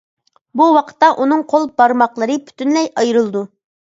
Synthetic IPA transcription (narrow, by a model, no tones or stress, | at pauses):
buwɑqʰə̥t̪ːɑʔunɨŋqʰolˠbɑɾmɑqlˠəɾɨpʰy̥t̪ʰynlɛjɑjɾɨlˠd̪u